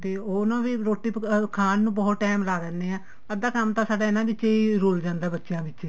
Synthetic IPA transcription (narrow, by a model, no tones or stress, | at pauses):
t̪eːoːnãːʋiːɾoːʈːiːkʰaːnnũːbɔːt̪ʈɛːmlaːɾɛːnd̪eːãː | əd̪aːkəmt̪ãːsaːɖaːɪnãːbɪt͡ʃeːiːɾoːld͡ʒãːnd̪aːbətːʃjãːbɪt͡ʃːt͡ʃeː